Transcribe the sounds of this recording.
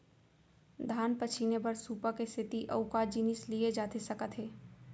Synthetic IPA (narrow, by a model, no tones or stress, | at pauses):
d̪ʱaːnpɐt͡ʃʰinebɐɾsuːpakest̪ʰɪt̪iʔɐʊkaːd͡ʒiːnɪslied͡ʒaːt̪esɐkət̪ɦeː